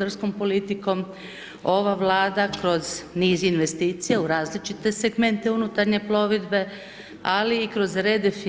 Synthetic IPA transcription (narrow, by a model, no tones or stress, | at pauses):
d̪aɾsko̞mpo̞lit̪iko̞m | o̞ʋaʋlˠaːd̪akɾo̞zniːzinʋe̞st̪iːt̪sijeuɾaːzlit͡ʃit̪e̞seɡme̞nt̪eunut̪aɾɲe̞plˠo̞ʋid̪be̞ | aliːkɾo̞zɾed̪efi